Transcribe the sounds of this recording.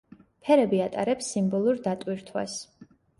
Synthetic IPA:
pʰɛɾɛbiat̪ʼaɾɛpsːimbɔlˠuɾd̪at̪ʼwiɾt̪ʰwa̰s

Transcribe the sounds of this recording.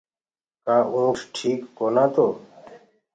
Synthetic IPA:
kaːʔũːʂʈʰiːkːoːnãːt̪oː

